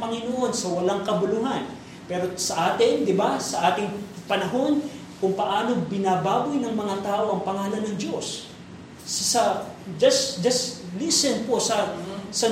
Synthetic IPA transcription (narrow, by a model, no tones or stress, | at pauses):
pɐŋɪnoʔo̞nsɐwɐlaŋkɐbʊluɦɐn | pɛːɾo̞sɐʔaːt̪ɪŋd̪ɪbasɐʔaːt̪ɪŋpɐnɐɦo̞n | kʊŋpɐʔaːno̞bɪnaːbaːbʊjnɐŋmɐŋat̪aːʔo̞ʔɐŋpɐŋaːlɐnːɐŋd͡ʒo̞s | sɐd͡ʒɐsd͡ʒɐslisɛnposɐsɐ